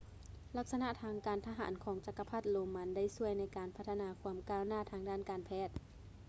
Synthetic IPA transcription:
la˧˩k̚sa˧na˧˥ʔt̪ʰaː˧ŋkaː˨nt̪ʰa˧ɦa̰ː˩˦nkʰɔː˩˦ŋt͡ɕa˧˥kːa˧pʰa˧˥˩t̪̚loː˨˧mːa˧˥nda˥˩jsu˧˥˩əjna˧˥jkaː˨˩npʰa˦˥t̪ʰːa˧naː˨˧kʰu˧əmkaː˧˥˨wnaː˥˩t̪ʰaː˧ŋdaː˥˩nkaː˨npʰɛː˧˥˩t̪̚

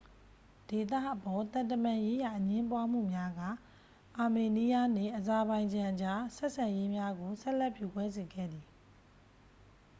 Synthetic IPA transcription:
d̥e˨t̪ä̰˦˨ʔəpɔ˨t̪ã˨ntəmã˨je˦ja˨ʔəɲɪ̃˦mpwa˦m̥ṵ˦˨mja˦ɡa̰˦˨ | ʔa˨me˨ni˦ja˦n̥ḛ˦˨ʔəza˨bã˨ɪ̃ɲd͡ʑã˨ʔət͡ɕa˦sɛ˦ʔsã˨je˦mja˦ɡo˨sɛ˦ʔlɛ˦ʔpju˨kwɛ˦ze˨ɡɛ̰˦˨d̪i˨

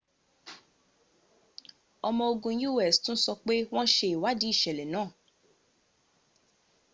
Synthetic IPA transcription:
ɔ˧mɔ̃˧o˧ɡũ˧ju˦˨ɛ˦˨stũ˦n̩˦sɔ˧k͡pe˦w̃ɔ̃˦ʃe˧i˨wa˨˦di˦i˦˨ʃɛ˨lɛ˨nãː˦˨

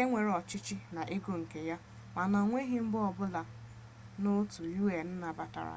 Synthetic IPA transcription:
e˦ŋʷe˨ɾɔ˨t͡ʃɪ˦t͡ʃɪ˦na˨ʔe˦ɡo˨ŋ̩˨ke˨ja˦ | ma˨na˨ŋʷe˦ɦi˦m̩˦bʊ˦ɔ˨bʊ˦la˨ | no˦tu˨ju˦e˨n̩˦na˨ba˨ta̰˨ɾa̰˨

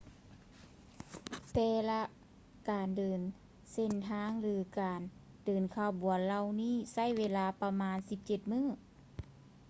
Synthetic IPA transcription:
t̪ɛː˧la˧ | kaː˨˩ndɤː˨˩n | se˧˩nt̪ʰaː˧˥ŋlɯː˨˧˦kaː˨˩n | dɤː˨˩nkʰaː˧˩bu˨˩˨ənla˧wniː˥˩˨sa˧˥˩jweː˧˥laː˧˩pa˧maː˧˥nsi˧˦p̚t͡ɕe˧˦t̪̚mɯː˧˥˨ŋ

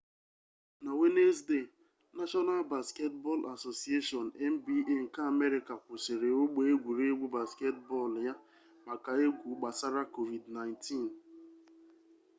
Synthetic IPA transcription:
na˨we˦ne˦s̬de˦˨ | na˦ʃɔ˦na˦lba˨ske˦tbɔ˦lʔa˨so˨si˨˦e˦ʃɔ˨nɛ˦m̩˦bi˦e˦ŋ̩˨ka˦a˨me˦ɾɪ˨ka˨kʷʊ˨sɪ˨ɾe˨o˦ɡ͡be˦e˦ɡʷu˨ɾe˦e˦ɡʷu˦ba˨ske˦tbɔ˦˨lja˦ | ma˨ka˨e˦ɡʷu˨ɡ͡ba˨sa˦ɾa˦ko˨vi˨dna˨ɪ̃˨ntʰi˦n

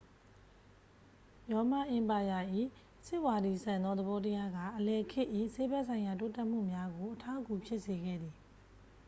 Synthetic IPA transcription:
jɔ˨ma˦˨ʔɪ̃˨mpa˨ja˨ʔḭ˦˨ | sɪ˦ʔwa˨di˨sʰã˨nd̪ɔ˦d̪ə˨bɔ˦t̬əja˦ɡä̰˦˨ʔəlɛ˨kʰɪ˦ʔḭ˦˨se˦bɛ˦ʔsʰã˨ɪ̃ja˨to˦tɛ˦ʔm̥ṵ˦˨mja˦ɡo˨ʔətʰa˦ʊku˨pʰjɪ˦ʔse˨ɡɛ̰˦˨d̪ði˨

